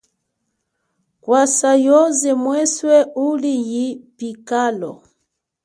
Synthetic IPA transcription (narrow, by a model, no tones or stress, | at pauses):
kwasajɔzɛmwɛswɛulijipikalɔ